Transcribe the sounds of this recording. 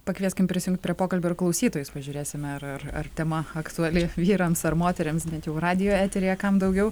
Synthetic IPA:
pɐkʋʲiɛsʲkʲɪmpʲɾʲɪsʲɪjʊŋkt̪̚ʲpɾʲiɛpoːkɐlʲbʲʊɪrklˠɐʊsʲiːt̪oːjʊspɐʒʲʊːɾʲeːsʲɪmʲɛɐrɐrɐ̰rt̪ʲɛmɐɐkt̪ʊɐlʲɪʋʲiːɾɐmsɐrmoːt̪ʲɛɾʲɪmsbʲɛnt̪jɛʊrɑːd̪ʲɪjoːæːt̪ʲɛɾʲejɛkɐmd̪ɐʊɡʲɛʊ

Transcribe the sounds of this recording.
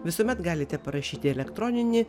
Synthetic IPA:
ʋʲɪsoːmʲɛt̪ɡɑːlʲɪt̪ʲɛpɐɾɐʃʲiːt̪ʲɪɛlʲɛkt̪ɾoːnʲɪnʲɪ

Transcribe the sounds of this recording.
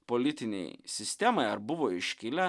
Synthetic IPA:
polʲɪt̪ʲɪnʲɛ̰ɪsʲɪsʲt̪ʲɛmɐɪɐɾbʊʋoːɪʃʲkʲɪlʲɛ

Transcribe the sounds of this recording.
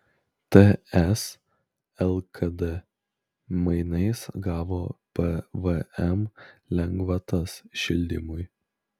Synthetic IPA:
t̪ɛɛs | ɛlˠkʰɐd̪ɛ | mɐɪnɐɪsɡɑːʋoːpɛʋəɛmlʲɛŋɡʋɐt̪ɐsʃʲɪlʲd̪ʲɪ̰mʊɪ

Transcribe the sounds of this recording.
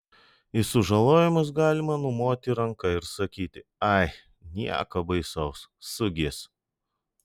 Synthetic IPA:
ɪsʊʒɐlˠoːjɪmɐs̬ɡɑːlʲɪmɐnʊmoːt̪ʲɪɾɐŋkɐɪɾsɐkʲiːt̪ʲɪɐɪ | nʲiɛ̰kɐbɐɪsɐʊssʊɡʲeːs

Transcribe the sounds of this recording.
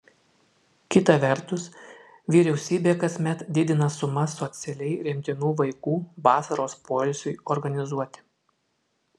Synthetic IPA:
kʲɪt̪ɐʋʲɛɾt̪ʊs | ʋʲiːɾʲɛʊsʲiːbʲeːkɐsʲmʲɛt̪d̪ʲɪd̪ʲɪnɐsʊmɐsɔt̪sʲɛlʲɛɪɾʲɪmʲt̪ʲɪnuːʋɐɪkuːʋɑːsɐɾoːspoːlʲɪsʲʊɪɔɾɡɐnʲɪzuɔt̪ʲɪ̥

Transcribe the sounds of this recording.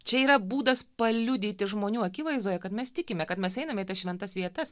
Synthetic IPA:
t͡ʃʲɛiːɾɐbuːd̪ɐspɐlʲʊd̪ʲiːt̪ʲɪʒmoːnʲuːɐkʲɪʋɐɪzd̪oːjɛkɐt̪mʲɛst̪ʲɪkʲɪmʲɛkɐt̪mʲɛsɛɪnɐmʲɛit̪ɐsʃʲʋʲɛnt̪ɐsʋʲiɛt̪ɐs

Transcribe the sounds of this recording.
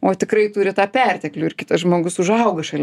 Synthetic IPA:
oːt̪ʲɪkrɐɪt̪uːɾʲɪt̪ɑːpʲɛrʲt̪ʲɛklʲʊɪrkʲɪt̪ɐsʒmoːɡʊsʊʒɐʊɡɐʃɐlʲ

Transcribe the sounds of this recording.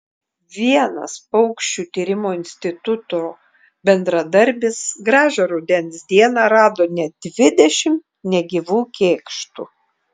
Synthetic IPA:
ʋʲiɛnɐ̰spɒʊkʃʲt͡ʃʲuːt̪ʲiːɾʲɪmoːɪnʲsʲt̪ʲɪt̪ʊt̪oː | bʲɛnd̪ɾɐd̪ɐɾʲbʲɪsɡɾɑːʒʲɐɾɐʊd̪ʲɛnsd̪ʲiɛnɑɾɑːd̪oːnʲɛd̪ʲʋʲɪd̪ʲɛʃʲɪm | nʲɛɡʲiʋuːkʲeːkʃt̪uː

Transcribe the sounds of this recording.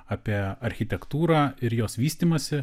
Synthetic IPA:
aːpʲiɛɐɾʲxʲɪt̪ʲɛkt̪uːɾaːɪɾjoːsʋʲiːsʲt̪ʲiːmɐsʲɪ

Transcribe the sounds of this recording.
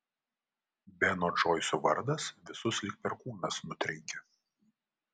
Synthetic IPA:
bʲɛnoːʒoːɪsʲuʋɐɾd̪ɐsʋʲɪsʊslʲɪk̚pʲɛɾkuːnɐsnʊt̪ʲɾʲɛŋkʲɛ

